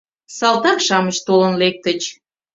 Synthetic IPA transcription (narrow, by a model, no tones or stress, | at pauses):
sɑlt̪ɑkʃɑməʃt̪olənlek̚t̪ət͡ɕ